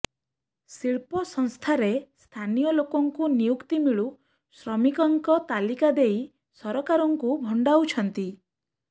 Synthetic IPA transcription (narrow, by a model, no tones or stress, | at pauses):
siɭpɔsɔŋst̪ʰaɾest̪ʰanijɔlokɔŋkunijukt̪imiɭu | sɾɔmikɔŋkɔt̪alikad̪ej | sɔɾɔkaɾɔŋkubʱɔɳɖawt͡ʃʰɔnt̪i